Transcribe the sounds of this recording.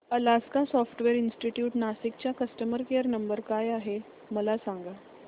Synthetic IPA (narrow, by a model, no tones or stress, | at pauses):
əlaskasɔfʈʋeɾinsʈiʈjuːʈnasik̚t͡ɕjakəsʈəməɾkeəɾnəmbəɾkajaɦe | məlasaŋɡa